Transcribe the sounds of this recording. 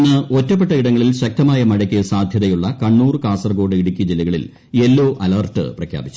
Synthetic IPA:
nːɨʔotːɐp̬ːe̞ʈːɐiɽɐŋːɐɭilɕɐk̚t̪ɐmaːjɐmɐɻɐk̬ʲːɨsaːd̪ʱjɐðɐjuɭːɐkɐɳːuːrkaːsɐrɡo̞ːɽɨiɽikʲːid͡ʑilːɐɣɐɭḭl | e̞lːoːʔɐlɐrʈːɨ̰prɐkʰja̰ːbit͡ɕːu

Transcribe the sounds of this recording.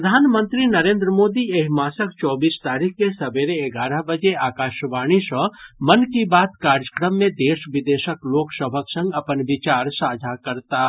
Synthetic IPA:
ɾd̪ʱaːnmə̃nt̪ɾinɐɾẽːnd̪ɾəmoːd̪ieɦmaːsək̚t͡ʃɔːbiːst̪aːɾikʰkesɐbeːɾeeɡaːɾəɦbəd͡ʒeaːkaːʃʋaːɽ̃isɔɦmɐnkibaːt̪kaːɾjəkɾəmːẽd̪eːʃʋɪd̪eːʃəkloːksəbʱəksə̃ŋɡɐpənʋɪt͡ʃaːɾsaːd͡ʒʱakɐɾt̪a

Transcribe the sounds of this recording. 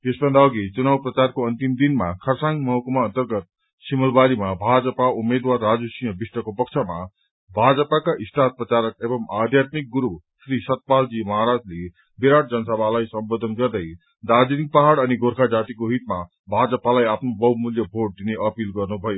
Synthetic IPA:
esbʌnd̪aʌɡit͡sunawprʌt͡sarkoʌnt̪imd̪inmakʰʌrsaŋɡmʌɦʌkumãːnt̪ʌrɡʌt̪̚ | simʌlbaɾimabʱad͡zʌpaumed̪warːad͡zusĩjʌ̃bisʈʌkopʌk̚t͡sʰʌma̰ | bʱad͡zʌpakaʔist̪ʰat̪̚prʌt͡saɾʌkebʌmad̪ʱjat̪mik̚ɡuɾu | srisʌt̪̚pald͡zimʌɦaɾad͡zle | biɾaʈ̚d͡zʌnʌsʌbʱalajsʌmbod̪ʱʌnɡʌrd̪ʌj | d̪ad͡zinik̚paɦaɽʌniɡoɾkʰad͡zat̪ikoɦit̪ma | bʱad͡zʌpalajapʰnobʌwmuljʌbʱoʈ̚d̪ineʔʌpilɡʌrnubʱʌjo

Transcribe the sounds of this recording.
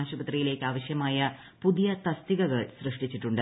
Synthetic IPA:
aːɕubɐt̪rijile̞ːkʲːɨaːʋɐɕjɐmaːjɐ | puðijɐt̪ɐst̪iɣɐɣɐɭsrɨʂʈit͡ɕːiʈːuɳɖɨ

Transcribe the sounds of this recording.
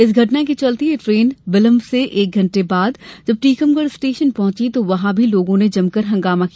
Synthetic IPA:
ɪsɡʱɐʈ̬nak̬it͡ʃɐlt̪iɦefɾeːnbɪlə̃mbseʔeːk̚ɡʱɐ̃ɳʈebaːd̪d͡ʒɐb̚ʈiːkəmɡəɽsʈeːʃənpɐɦʊ̃t͡ʃit̪oʋɐɦãbʱiloːɡõned͡ʒɐmkɐɾɦɐ̃ŋɡaːmakia

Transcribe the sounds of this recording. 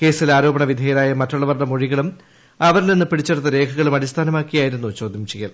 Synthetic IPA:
ke̞ːsilaːɾo̞ːbɐɳɐʋid̪ʱejɐlaːjɐmɐtːuɭːɐʋɐrɳɐmoɻiɣɐɭum | ɐʋɐɾilninːɨpiɽit͡ɕːeɽut̪ːɐɾe̞ːkʰɐɣɐɭumɐɾist̪ʰaːnɐmaːkːijaːjiɾunːut͡ɕo̞ːd̪ʱjɐmt͡ɕiɣɐl

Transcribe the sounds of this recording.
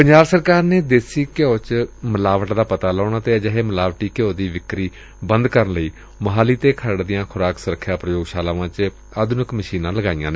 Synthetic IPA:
pəɲd͡ʒaːbsəɾkaːɾneːd̪eːsiːkjoːt͡ʃməlaːʋəʈd̪aːpət̪aːlɔːɳaːt̪eːd͡ʒəɦeːməlaːʋʈiːkɪjoːd̪iːʋɪkɾiː | bənd̪kəɾənləiː | məɦaːliːt̪eːkʰəɾɽd̪ɪjãːkʰʊɾaːksʊɾəkʰːjaːpɾəjoːɡʃaːlãːʋãːt͡ʃ | aːd̪ʊnɪkməʃiːnãːləɡaːijãːneː

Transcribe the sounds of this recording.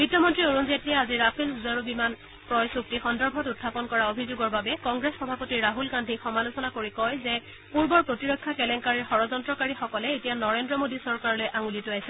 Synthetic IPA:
bitːɔmɔntɹioɹunzetɹiɛaziɹapʰelzaɹubiman | pɹɔjsuk̚tixɔndɔɹbʱɔtutʰːapɔnkɔɹaobʱizoɡɔɹbabɛkɔŋɡɹesxɔbʱapotiɹɹaɦulkandʱixɔmalusɔnakoɹikɔjzɛ | puɹbɔɹpɹotiɹɔkʰːakɛlɛŋkaɹiɹxɔɹɔzɔntɹɔkaɹixɔkɔlɛetijanɔɹendɹɔmodisɔɹkaɹɔlojʔaŋulituajsɛ

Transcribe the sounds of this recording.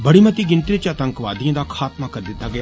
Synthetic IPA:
bəɽiːmət̪iːɡɪnt̪ɾɪt͡ʃət̪əŋkʋaːd̪ijãːd̪aːkʰaːt̪maːkəɾd̪ɪt̪ːaːɡɪjaː

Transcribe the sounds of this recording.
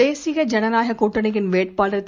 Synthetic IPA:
eːsɪɣɐd͡ʒɐnɐnaːɦɐkuːʈːɐnɪɣɪnʋeːʈ̚paːlɐɾt̪ː

